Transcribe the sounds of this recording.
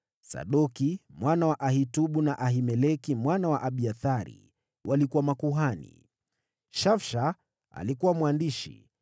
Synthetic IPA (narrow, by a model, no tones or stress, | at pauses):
sa̰ɗɔkimwanawaʔahituɓunaʔaɦimɛlɛkimwanawaʔaɓiaθaɾḭ | wʔalikuwamakuɦanḭ | ʃafʃa | a̰likuwamwandiʃḭ